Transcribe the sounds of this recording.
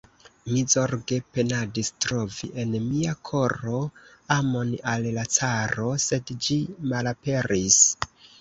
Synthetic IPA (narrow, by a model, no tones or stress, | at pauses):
mizo̞ɾɡe̞pe̞nadistɾo̞vḭʔe̞nmiakʰo̞ɾo̞amo̞nallat͡saɾo̞se̞dd͡ʒimalape̞ɾis